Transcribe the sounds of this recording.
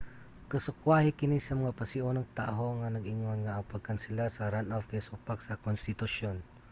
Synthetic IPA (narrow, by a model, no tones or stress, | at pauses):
kɐsʊkwahikɪnisɐmɐŋapɐsɪʔonɐŋt̪a̰ɦoŋanɐɡʔɪŋonŋaʔɐpɐɡ̚kɐnsɪlasɐɾanʔafkasupaksɐkonst̪ɪt̪uʃjon